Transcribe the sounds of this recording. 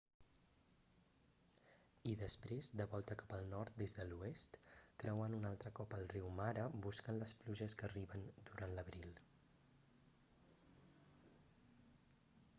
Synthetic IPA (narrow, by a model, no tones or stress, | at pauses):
iðəspɾezd̪əβɔlˠt̪əkḁpəlˠnɔɾt̪̚d̪ezðəluest̪kɾəwanunalˠt̪ɾəkɔpəlˠriwmaɾəbuskənləspluʒəskəriβənd̪uɾanləβɾil